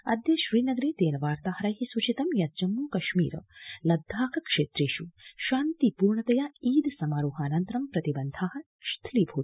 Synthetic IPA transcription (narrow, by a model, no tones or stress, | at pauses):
ɐ̰d̪jɐʃɾiːnɐɡɐɾeːt̪eːnɐʋaːɾt̪aːhɐɾɐjɦisut͡ʃit̪ɐmjɐd͡ʒɐmːuːkɐʃmḭːɾɐ̰lɐd̪ʱːaːkɐkʂeːt̪ɾeːʃuʃaːnt̪ipuːɾɳɐt̪ɐjaiːd̪sɐmaːɾuːɦaːnɐnt̪ɾɐmpɾɐt̪ibɐnd̪ʱaːɦɐ̆ | ʃt̪ʰliːbʱuː